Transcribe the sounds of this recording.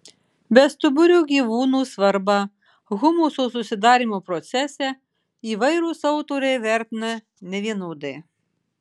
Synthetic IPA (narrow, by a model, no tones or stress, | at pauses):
bʲɛst̪ʊbʊɾʲuːɡʲiːʋuːnuːsʋɐɾbɑ | ɣʊmuːsos̬ʊsʲɪd̪ɑːɾʲiːˑmopɾɔt̪sʲɛsʲɛ | iːʋɐɪɾuːsɐʊt̪oɾʲɛɪʋʲæˑɾʲt̪ʲɪnɐ | nʲɛʋʲiɛnuːd̪ɐɪ